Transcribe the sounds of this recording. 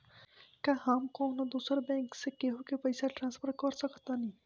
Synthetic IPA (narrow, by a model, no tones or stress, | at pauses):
kjahaːmkɔːnad̪uːsɾbɛ̃ːŋksekeɦokepɐɪsaʈɾãnspʰəɾkɔɾsəkʰt̪anĩː